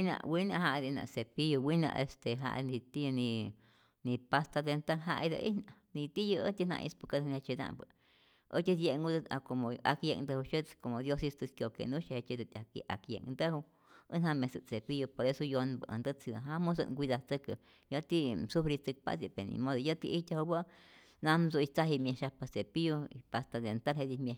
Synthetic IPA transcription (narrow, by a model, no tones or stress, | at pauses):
inã̰winãʔɦaʔd̪inã̰ʔsepijowinã̰ʔest̪eɦa̰ʔnit̪inĩ | nipast̪ad̪ent̪aŋɦa̰ʔid̪ə̰ʔḭnanit̪ijəət̪inã̰ʔḭspukad̪nat͡ʃid̪a̰ʔmbə | ʔət͡ʃ̪ʲid̪jeŋɡud̪akomoakjeŋnd̪əhuʃə̥komod̪josist̪ɨskʲjokḛnũʃehet͡ʃed̪ət̪ʲakḭʔa̰kjḛŋnd̪əhu | ənhamẽsɨt͡sepijopoɾesojonbəʔa̰nd̪ət͡sid̪aɦamus̬ə̰ŋɡʷid̪at͡səkə | jət̪isufɾit͡sɨk̚pa̰zipenḭmod̪ojət̪iʔit̪ʲahubə | nãmzoit͡saɦimjeʃapat͡sepijoipast̪ad̪ent̪alhed̪imje